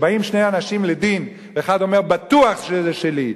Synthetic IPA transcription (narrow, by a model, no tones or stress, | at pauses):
baimʃnejanaʃimled̪in | veeχad̪o̞meʁbat̪uaχʃezeʃeli